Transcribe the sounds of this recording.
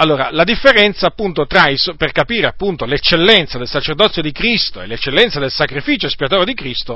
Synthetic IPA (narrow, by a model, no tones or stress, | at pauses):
alːoːɾalad̪ifːeɾɛnt̪saːpːunt̪ot̪ɾaisperkapiːɾeapːunt̪olet͡ʃːelːɛnt̪sad̪elsat͡ʃerd̪ɔt̪sjod̪ikɾist̪oḛlːet͡ʃːelːɛnt̪sad̪elsakɾifiːt͡ʃoespiat̪oːɾed̪ikɾist̪o